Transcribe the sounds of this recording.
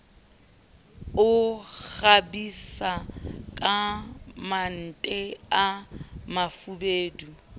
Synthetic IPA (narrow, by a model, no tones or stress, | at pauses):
ʊɣabisakʼaman̩tʼɛamafubeːdu